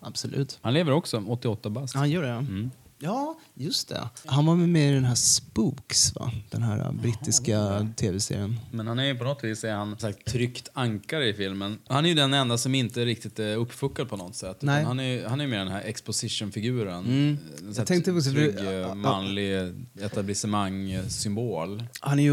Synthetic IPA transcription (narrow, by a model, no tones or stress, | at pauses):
ab̥sɔlʔʉ̰ːt̪hanleːvəɾɔksɔɔt̪ːɪɔt̪ːabashanjœːɖɛm̩ːjɑːjɵst̪ɛ̰hanvaɾmeɪd̪ɛnɦæːspuːksva̰d̪̥ɛnɦæ̰ːɾa̰bɾɪt̪ːɪskat̪ʰeːvɛsḛːɾɪənmɛnhanæɾjɵpʰɔnɔt̪viːsɛɾhansaktt̪ʰːɾʏkt̪ʰaŋkaɾɪfɪlmənhanæɾjɵd̪ɛnɛnd̪asɔmɪnt̪əɛɾɪk̚t̪ɪt̪ɛɵpːfɵkːad̪̚pʰɔnɔt̪ːsɛt̪ːnɛhanæɾjhanæɾjəmeːɖ̪ɛnhæːɾʔɛkspɔsɪʂʊnfɪɡʉ̟ːɾənd̪ɛsat̪ʰɛŋkt̪əɔsɛɡmanlɪɛt̪ablɪsəmaŋːsʏmboːlhanæj